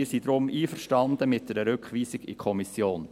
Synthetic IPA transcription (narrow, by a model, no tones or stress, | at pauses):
ɪsid̪ɾʊmʔiːfəɾʃtɑnd̪əmɪt̚d̪ɛɾəɾʏkχʋiːsɪɡɪ̰kʰɔmisjoːn